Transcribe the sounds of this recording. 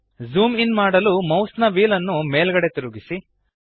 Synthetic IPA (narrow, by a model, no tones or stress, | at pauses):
zuːminmaːɽɐlumɐwsnɐʋiːlɐnːumeːlɡɐɽe̞t̪iɾuɡisi